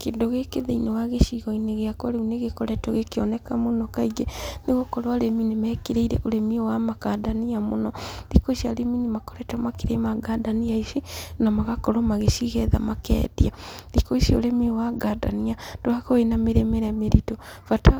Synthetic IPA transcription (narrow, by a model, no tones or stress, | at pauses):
keːndoɣekeðeinewaɣeʃiɣɔineɣeakwɔɾeuneɣekɔɾɛtɔɣekeɔnɛkamonɔkaiɡɛneɣokɔɾwaleminimɛːkeɾeiɾɛ̰ʔoɾemiowamakadaniamonɔdikoiʃiaɾeminimakɔɾɛtamakeɾemaɡadaniaiʃinamaɣakɔɾɔmaɣeʃiɣɛða̰makɛ̰ːdiadikoiʃio̰ɾemiowaɡada̰niad̥oakɔenameɾemeɾɛmeɾitofata